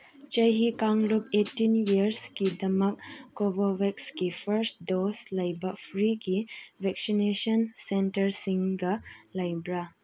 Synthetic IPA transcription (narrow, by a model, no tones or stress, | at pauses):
t͡ʃəjɦikaŋlupetːinjiɾskidɐmɐkːobɔwekskipʰɐɾsʈdoslɐjbapʰɾiɡibɛk̚sinesənsentɐɾsiŋɡɐlɐjbɾa